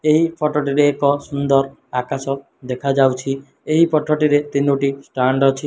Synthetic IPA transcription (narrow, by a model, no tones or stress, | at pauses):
eɦipʰɔʈoʈiɾeːkɔsund̪ɔɾ | akasɔ | d̪ekʰad͡ʒawt͡ʃʰi | eɦipɔʈʰoʈiɾet̪inuʈisʈaɳɖɔt͡ʃʰi